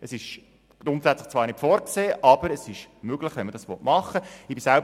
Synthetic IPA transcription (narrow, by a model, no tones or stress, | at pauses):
əsɪʃ | ɡ̥ɾʊntsɛt͡sləχt͡sʋɑːɾnɪtfɔːɾkseːʔɑb̥əɾəsɪʃmøɡ̥lɪχʋɛnməd̥ɑsʋɔtmɑχəɪbisælb